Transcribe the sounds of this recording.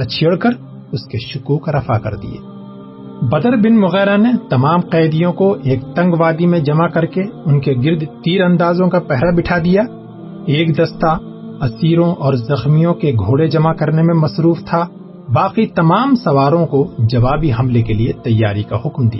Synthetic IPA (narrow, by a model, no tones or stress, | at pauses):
at͡ʃʰeːɽkəɾ | ʊskeʃʊkuːkɾɐfakɐ̰ɾd̪ḭjḛː | bɐd̪əɾbɪnmʊɣɛːɾanet̪ɐmaːmqɛːd̪ijõkoʔeːk̚t̪ɐ̃ŋɡʋaːd̪imẽd͡ʒɐmakɐɾkeʊnkeɡɪɾd̪t̪iːɾɐ̃nd̪aːzõkapɛɦɾabɪʈʰad̪ijaː | eːkd̪ɐst̪a | ɐsiːɾõʔɔːɾzɐxmijõkeɡʱoːɽed͡ʒɐmakɐɾnemẽmɐsɾuːft̪ʰa | baːqit̪ɐmaːmsɐʋaːɾõkod͡ʒɐʋaːbiɦɐmlekeliet̪ɐjːaːɾika̰ɦʊkmd̪ḭja̰ː